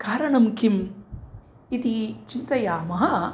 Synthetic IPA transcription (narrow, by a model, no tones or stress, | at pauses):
kaːɾɐɳɐmkim | it̪it͡ʃint̪ɐjaːmɐɦɐ